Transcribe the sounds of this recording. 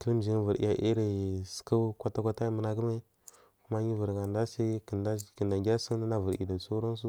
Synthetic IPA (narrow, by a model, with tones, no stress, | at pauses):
kə˦li˦m˨d͡ʒi˨˦n˦və˨ɾḭ˦a˦ʔi˦ɾi˨ska˦kʷa˦ta˦kʷa˦ta˦i˦mə˦na˦kə˦me˦ | ku˦ma˦ɲi˦və˨ɾɡa˨nda˦sa˦ki˨nda˦kə˨nda˨ɡʲa˦sə˦ŋ˦a˦na˦və˨ɾḭ˨da˨su˦ɾa˦n˦s̬u˦